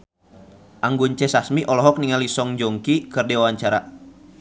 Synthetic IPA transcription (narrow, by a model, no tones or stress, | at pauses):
ʔaŋɡuɲt͡ʃɛsasmiʔɔlɔɦɔk̚niŋalisɔŋd͡ʒɔŋkikɨrdewawaɲt͡ʃaɾa